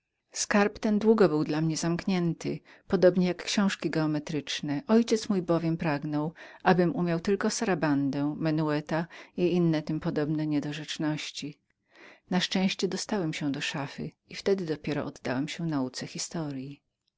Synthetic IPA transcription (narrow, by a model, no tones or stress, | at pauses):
skaɾpt̪ɛnd̪wuɡɔbɘwd̪lamɲɛzamkɲɛnt̪ɘ̰ | pɔd̪ɔbɲɛjakːɕɔ̃w̃ʂkʲiɡɛɔmɛt̪ɾɘt͡ʂnɛʔɔjt͡ɕɛt̪smujbɔvʲjɛmpɾaɡnɔwʔabɘmumʲjawt̪ɘlkɔsaɾaband̪ɛ̃mɛnuɛt̪aiinːɛt̪ɘmpɔd̪ɔbnɛɲɛd̪ɔʐɛt͡ʂnɔɕt͡ɕi | naʂt͡ʂɛ̃w̃ɕt͡ɕɛd̪ɔst̪awɛmɕɛwd̪ɔʂafɘ̰ | ift̪ɛd̪ɘd̪ɔpʲjɛɾɔ̰ʔɔd̪ːawɛmɕɛnaut̪sɛxʲist̪ɔɾji